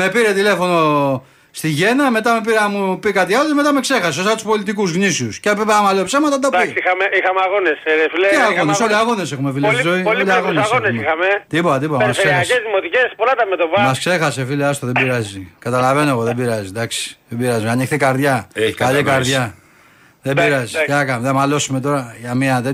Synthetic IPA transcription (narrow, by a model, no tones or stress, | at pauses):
me̞piɾe̞t̪ile̞fo̞no̞ | st̪iʝe̞nɐme̞t̪ɐmepiɾɐmupikɐt̪iɐloceme̞t̪ɐmekse̞xɐs̬eosɐt̪u̥spo̞lit̪ikuzɣnisiuscepipeɐmalopsemɐt̪ɐd̪ɐd̪isixameixameaɣonesefileeaɣonesoliaɣo̞nese̞xumefileszoiloliaɣonsɣonesixɐmet̪ipot̪ɐt̪ipomɐssseɐsezðimot̪icespolɐt̪ɐmet̪opɐmɐskse̞xɐsefileɐst̪oðebiɾɐzikɐt̪ɐlɐve̞noeɣoðebiɾɐzid̪ɐksi̥ðebiɾɐzimeanixt̪ikɐɾðʝɐeçkalikɐɾðʝɐ | ðebiɾɐziceɐkɐmðemɐlo̞sume̞t̪o̞ɾɐʝɐmiɐðe